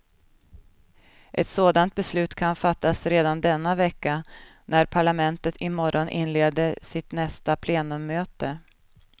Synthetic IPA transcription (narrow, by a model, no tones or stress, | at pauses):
ʔɛt̪soːd̪ant̪̚bɛslʉ̟ːt̪kʰanfat̪ːasɾeːd̪and̪ɛnːavɛkːa | næɾpʰaɭamɛnt̪ət̪ʰɪmɔɾʔɔnʔɪ̰nleːd̪əsɪt̪nɛst̪apʰleːnɵmːøːt̪ə